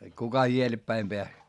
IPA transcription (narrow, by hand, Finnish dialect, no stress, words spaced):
kukɑ ielepːæim peæs